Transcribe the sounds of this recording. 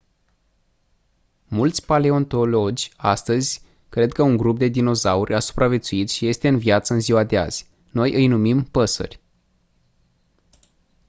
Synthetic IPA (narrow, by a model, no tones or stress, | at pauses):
mult̪sʲpaleo̞nt̪o̞lo̞d͡ʒʲast̪əzʲ | kɾe̞d̪̚kəuŋɡɾup̚d̪e̞d̪ino̞zaurʲʔasu̥pɾʔavʲje̞t̪suit̪ʃije̞st̪e̞ɨnviat̪səɨnziwad̪e̞a̰z̥ʲ | no̞jʔɨjnumimpəsə̰rʲ